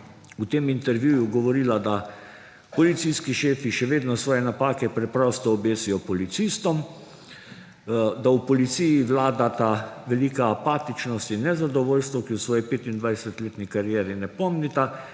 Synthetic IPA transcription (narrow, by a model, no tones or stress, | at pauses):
ut̪eːmint̪ɛɾʋjuːjuɡɔʋɔɾiːlad̪a | pɔlit̪sijskiʃeːfiʃɛʋeːd̪nɔsʋɔːjɛnapaːkɛpɾɛpɾɔst̪ɔːbeːsijɔpɔlit̪sist̪ɔm | d̪awpɔlit̪sijiʋlaːd̪at̪aʋɛliːkaːpaːt̪it͡ʃnɔst̪inɛzad̪ɔʋoːlst̪ʋɔkiwsʋɔːjɛpeːt̪ind̪ʋajsɛt̪leːt̪nikaɾijɛːɾinɛpɔmnit̪a